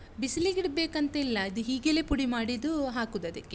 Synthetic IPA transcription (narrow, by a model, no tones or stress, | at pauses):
bisliɡiɽbeːkɐnt̪ɐilːɐid̪uɦiːɡeleːpuɽimaːɽid̪uɦaːkud̪ɐd̪ɐkːe